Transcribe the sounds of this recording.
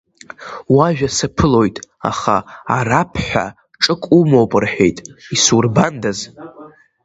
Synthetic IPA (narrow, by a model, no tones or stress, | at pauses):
waʒᶣasapʰɨlo̞jtʼa̰χaːrapʰħʷᶣa̰ | ʈ͡ʂʼɨkʷʼumowpʼɨrħe̞jtʼisurbandaz